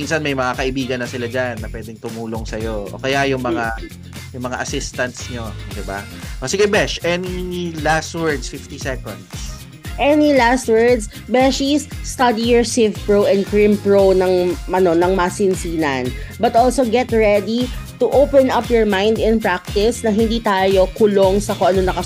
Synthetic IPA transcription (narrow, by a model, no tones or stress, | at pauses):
minsɐnmɐjmɐŋakɐʔɪbiːɡɐnːɐsɪlad͡ʒanːɐpwɛːd̪ɛŋt̪ʊmuːloŋsɐjoʔo̰kɐjajʊŋmɐŋa | jʊŋmɐŋa̰ʔɐsɪst̪ɐnt̪sɲod̪ɪbaʔosɪɡɛbɛʃʔɛnilast̪wɛɹd̪sfɪft̪isɛkõnd̪s | ʔɛnilast̪̚wɛɹd̪s | bɛʃisːt̪ɐd̪ijɔɹsevpɹowʔɛ̃nd̪̚kɹĩmpɹownɐŋʔɐno̞nɐŋmasɪnsiːnɐnbɐt̪ʔolsoɡɛt̪ɹɛd̪it̪uʔowpɛnɐpjɔɹmãjnd̪ɪ̃npɹak̚t̪ɪsnɐɦɪnd̪iːt̪aːjo̞kʊloŋsɐkoʔɐnonɐkɐ